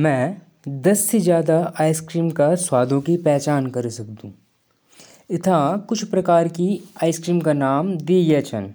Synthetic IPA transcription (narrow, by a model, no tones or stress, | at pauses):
mɛ̃ː | d̪ɐsːed͡ʒjaːd̪aaːɪskɾiːmkaswaːd̪ʱõkipɛːt͡ʃaːnkɐɾsɐkd̪ũː | ɪt̪ʰãkʊt͡ʃʰpɾɐkaːɾkiaːɪskɾiːmkanaːmd̪ijɛːt͡ʃʰɐn